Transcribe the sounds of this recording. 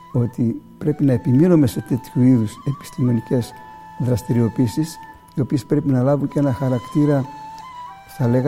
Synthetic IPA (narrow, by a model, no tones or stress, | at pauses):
o̞t̪ipɾe̞pinɐe̞piminume̞se̞t̪e̞t̪çuiðuse̞pi̥st̪ime̞nice̞z̥ | ðɾɐst̪iɾio̞piisis | io̞pie̞spɾe̞pinɐlɐvuɲce̞nɐxɐɾɐkt̪iɾɐ | stɐle̞ɣɐ